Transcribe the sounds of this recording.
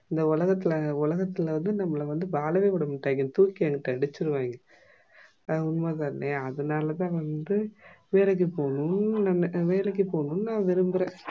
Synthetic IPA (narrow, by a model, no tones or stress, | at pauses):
ɪnd̪ɐʊlɐɣɐt̪ːɪlɐʊlɐɣɐt̪ːɪlʋɐnd̪ɯnɐmːɐlɐʋɐnd̪ɯbaːlɐʋeːpɐɽɐmɪʈːaːŋɯnt̪uːkːieːŋɡɐʈːãɪɽɯt͡ʃːɪɾɯʋaːŋɡɐ | ʊnmaːðaɾneɐðɐnaːlɐt̪ãːʋɐnd̪ɯʋeːlɐk̬ːipoːɳʊnɐʋeːlɛk̬ːɯpoːɳʊ̃nnãːʋɪɾɯmbɪɾẽː